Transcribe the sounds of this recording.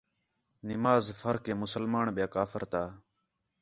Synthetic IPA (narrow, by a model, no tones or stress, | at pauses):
nɪmaːzfəɾkẽːmʊsəlmaːnɓɪjaːkaːfəɾt̪aː